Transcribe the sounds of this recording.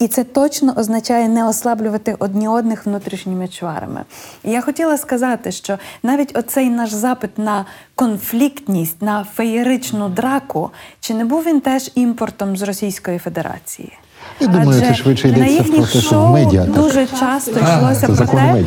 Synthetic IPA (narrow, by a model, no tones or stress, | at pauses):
it̪sɛt̪ɔt͡ʃnɔʔɔznɐt͡ʃɑjɛnɛɔslˠɑblʲʊʋɐt̪ɪxɔd̪ʲnʲiɔd̪nɪxʋnut̪ɾʲiʃnʲimɪt͡ʃʋɑ̰ɾɐ̰mɪ̰ijaxɔtʲilˠɐskɐzɑt̪ɪʃt͡ʃɔnɑʋʲitʲɔsɛjnɑʒzɑpɪt̪nɐkɔnflʲikt̪ʲnʲisʲtʲnɐfejiɾɪt͡ʃnʊd̪ɾɑkʊt͡ʃɪnɛbuwʋʲint̪ɛʒimpɔrt̪ɔmzrɔsʲijsʲkɔjife̞d̪e̞ɾɑ̰t͡sʲḭjḭ | jad̪umɐjʊsɛɛʃʋɪt͡ʃɛjd̪ɛnɐjiɐxnʲiɛʃɔmɛɐd̪uʒɛt͡ʃɑst̪ɔʃlˠɔsʲɐɐɔmɛ